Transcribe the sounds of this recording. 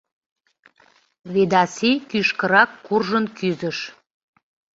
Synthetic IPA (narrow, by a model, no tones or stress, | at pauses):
βed̪ɑsekyʃkə̆ɾɑkːurʒənkyzəʃ